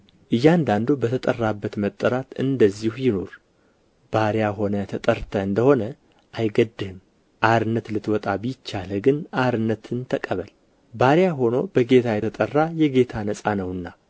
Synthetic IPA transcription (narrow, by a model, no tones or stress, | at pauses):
ʔɨjːand̪and̪obət̪ʰət̪ʼərːabːət̪mət̪ʼːəɾat̪ɨnd̪əzːihjɪno̞ɾ | b̥aɾjaɦo̞nət̪ʰət̪ʼəɾt̪ʰəɨnd̪əho̞nə | ʔajɡəd̪ːɨhɨm | ʔaɾɨnːət̪lɨt̪wɔt̪ʼabɨjɪt͡ʃːaləɡɨnaɾɨnːət̪ʰɨnt̪ʰəkʼəβəl | baɾjaɦo̞no̞bəɡe̞t̪ʰajɛt̪ʰət̪ʼərːajɛɡe̞t̪ʰanəsʼanəwɨnːa